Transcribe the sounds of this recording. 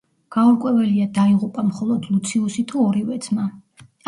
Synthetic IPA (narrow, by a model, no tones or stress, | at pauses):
ɡ̥auɾkʼwɛvɛliad̪aiʁupʼamχɔlˠɔd̪lut̪sʰiusit̪ʰuɔɾivɛd̪sma